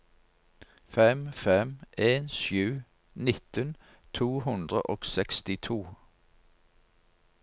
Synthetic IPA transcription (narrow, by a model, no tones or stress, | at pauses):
fɛmfɛmʔeːnʃʉː | nɪt̪ən | t̪ʰuːhʉnd̪ʁə̰ʔoːɡ̥sɛkst̪ɪt̪ʰuː